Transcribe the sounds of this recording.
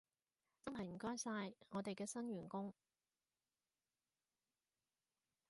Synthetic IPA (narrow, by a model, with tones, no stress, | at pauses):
t͡sɐ˥nɦɐ˨jm̩˨˩kɔː˥jsaː˧jŋɔː˨˧t̪e˨jkɛː˧sɐ˥nɥyː˨˩nkʊ˥ŋ